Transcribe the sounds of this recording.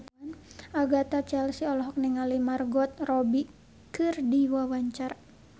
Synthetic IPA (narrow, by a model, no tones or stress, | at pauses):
anʔaɡat̪at͡ʃɛlsiɔlɔɦɔk̚niŋalimarɡɔt̪̚rɔbi | kɨrdiwawaɲt͡ʃar